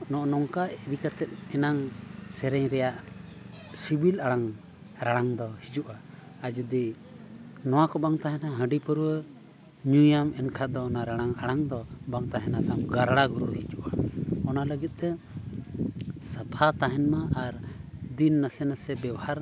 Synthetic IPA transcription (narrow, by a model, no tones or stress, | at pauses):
nɔʔnɔŋkaʔid̪ikat̪ɛt̪̚ɛnaŋsɛɾɛɲɾɛjaʔ | sibilaɽaŋ | ɾaɽ̃aŋd̪ɔhid͡ʒuʔaː | d͡ʒud̪i | nɔwakɔbaŋt̪aɦɛnaɦə̃ɖipəɾuwə | ɲujamɛnkʰad̪ɔːnaɾaɽ̃aŋaɽ̃aŋd̪ɔbaŋt̪aɦɛnad̪amɡaɾɽaɡuɾuɽɔhid͡ʒuʔaɔnaləɡit̪̚ˀt̪ɛ | sapʰat̪aɦɛnmaʔaɾd̪inːasɛnasɛbɛwahaɾ